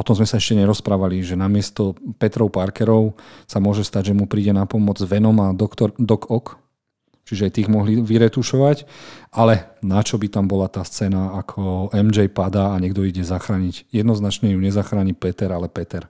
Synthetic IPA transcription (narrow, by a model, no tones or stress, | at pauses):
ɔt̪ɔmzmɛsaɛʃcɛɲɛɾɔspɾaːʋaliʒɛnamɪɛst̪ɔpɛt̪ɾɔʊpaɾkɛɾɔʊsamʊɔʒɛst̪aɟʒɛmupɾiːɟɛnapɔmɔd͡zzʋɛnɔmad̪ɔkt̪ɔɾd̪ɔkʰɔk | t͡ʃiʒɛajt̪iːɣmɔɦliʋiɾɛt̪uʃɔʋacalɛnat͡ʃɔbit̪ambɔlat̪aːst͡sɛːnaːkʰɔɛmd͡ʒɛjpad̪aːɲɛɡd̪ɔiɟɛzaxɾaːɲiɟjɛd̪nɔznat͡ʃɲɛjuɲɛzaxɾaːɲic̚pɛt̪ɛɾalɛpɛt̪ɛɾ